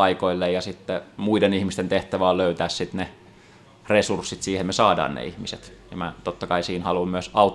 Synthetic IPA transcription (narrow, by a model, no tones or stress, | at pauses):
ɑikoilːejjɑsit̪ːemuidenihmist̪ent̪eht̪æʋæoløyt̪æːssit̪ne | resursːit̪siːhemmesɑːdɑ̰ːnnḛihmisḛt̪jɑmæt̪ot̪ːɑkɑisiːnhɑlummyøsɑut̪ː